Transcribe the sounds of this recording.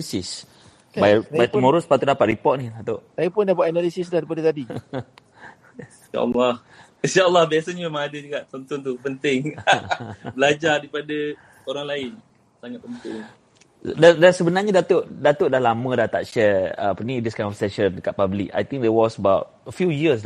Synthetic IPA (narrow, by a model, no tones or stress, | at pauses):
lisis | bajbajt̪umɔɾuspat̪uʔdapaʔ̚ɾipɔʔt̚nidat̪oʔsajupʊndabuaʔnalisisdahɾipadat̪adi | a̰ʔə̰lːɑh | inʃaəlːɑhbiasəɲamemãŋadəd͡ʒuɡaʔt͡ʃɔnt̪ʊnt̪upənt̪ɪŋ | bəlad͡ʒadipada | oɾaŋlaɪn | saŋaʔ̚pont̪ʊŋ | dadansəbənaɲədat̪oʔdat̪əʔdahlamə̃dat̪a̰ʔʃɛəpnidiskãj̃nɔfsɛʃə̃ndəkaʔ̪̚pablḭka̰jt̪ĩŋk̚d̪ɛwɔsəbawt̚əfjujiəs